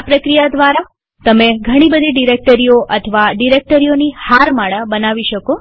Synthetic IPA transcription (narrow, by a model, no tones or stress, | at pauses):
pɾəkɾijad̪ʋaɾa | t̪əmeɡʱəɽ̃ibəd̪ʱiɖiɾek̚ʈəɾijoʔət̪ʰʋaɖiɾek̚ʈəɾijonihaɾmaɭəbənaʋiʃəko